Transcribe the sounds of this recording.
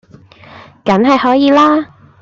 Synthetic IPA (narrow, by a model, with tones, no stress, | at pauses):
kɐ˨˥nɦɐ˨jhɔː˨˥jiː˨˧laː˥